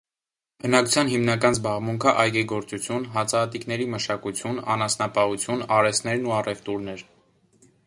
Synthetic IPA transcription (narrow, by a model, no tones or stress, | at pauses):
bənɑkʰu̥t͡sʰjɑnɦimnɑkɑnzbɑʁmuŋkʰəʔɑjɡɛɡɔɾt͡sut͡sʰjunɦɑt͡sʰɑːt̪iknɛɾiməʃɑkut͡sʰjunɑ̰nɑsnɑpɑhut͡sʰjunɑɾɛsnɛɾnuɑrɛvt̪uɾnɛɾ